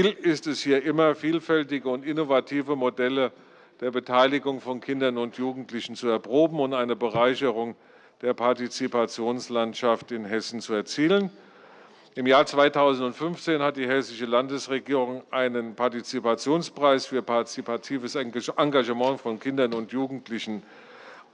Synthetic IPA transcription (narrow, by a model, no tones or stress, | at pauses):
lɪstɛshiːɐʔɪmɐfiːlfɛltɪɡəʊntɪnovatʰiːvəmodɛlə | d̥eːɐbətʰaɪlɪɡʊŋfɔnkʰɪndɐnʊntʰjuːɡŋ̩tʰlɪçn̩t͡suɛɐpʁ̥oːbm̩ʊntʔaɪnəbəʁaɪçəʁʊŋ | d̥eːɐpʰaɐtit͡sipat͡sjoːnslantʃaftɪnɦɛsn̩t͡suɛɐt͡siːlən | ʔɪmjaːɐt͡sv̥aɪtʰaʊzn̩tʊntfʏnft͡seːnhat̚d̥iːɦɛsɪʃəlandəsʁeɡiːʁʊŋʔaɪnənpʰaɐtit͡sipat͡sjoːnspʁ̥aɪsfyːɐpʰaɐt͡sipʰatʰiːvəsʔaŋɡaʒəmɑ̃ŋfɔnkʰɪndɐnʊntjuːɡŋ̩tʰlɪçn̩